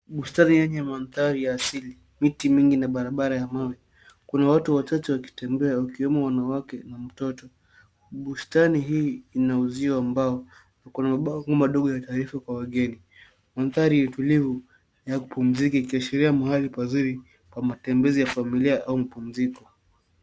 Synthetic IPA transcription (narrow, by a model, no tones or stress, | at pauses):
ɓustanijɛɲɛmanθaɾijaːsili | mitimiŋɡinaɓaɾaɓaɾajamawi | kunawatuwat͡ʃat͡ʃɛwaki̥tɛmbɛawakiwɛmɔwanawakɛnam̩tɔtɔ | ɓustaniɦiːnauziwaːmbaɔ | akunamaɓaŋɡɔmaɗɔɠɔjataːɾifakwawaɠɛni | manθaɾijutulivu | jakupum̩zikiikiaʃɛɾiamahalipaziɾi | kwamatɛmbɛzijafamiliaʔaumapum̩zikɔ